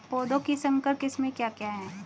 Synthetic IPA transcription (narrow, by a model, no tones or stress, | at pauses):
poːd̪õkisɐ̃ŋkəɾkɪsmẽkjaːkjaːɦɛː